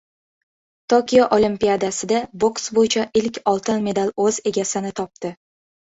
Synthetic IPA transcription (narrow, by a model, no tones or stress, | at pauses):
t̪ʰokʲijaʔolimpijad̪asɪd̪aboksbojɪt͡ʃʰaʔɪlkʲɒlˠt̪ʰɪnme̞d̪alɵze̞ɡʲasɪnɪt̪ʰɒp̚t̪ɪ